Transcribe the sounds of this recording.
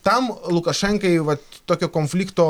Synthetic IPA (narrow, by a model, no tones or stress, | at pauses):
t̪ɐmlˠʊkɐʃɛŋkɐɪʋɐt̪ːoːkʲoːkonfʲlʲiːkt̪oː